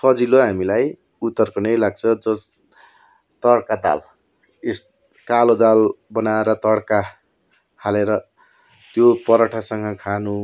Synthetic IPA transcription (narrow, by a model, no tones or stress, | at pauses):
sʌd͡ziloɦamilaj | ut̪ːʌrkonʌjlaɡ̚t͡sʰʌd͡zʌs | t̪ʌɽkad̪a̰l | es | kalod̪albʌnaeɾʌt̪ʌɽka | haleɾʌ | t̪jopʌɾʌʈʰasʌŋɡʌkʰanu